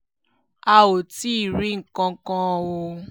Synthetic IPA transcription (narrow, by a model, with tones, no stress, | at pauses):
a˧wo˨ti˨˦i˦˨ɾi˦ŋ̩˨kã˧ŋ̩˦kã˦˧wo˧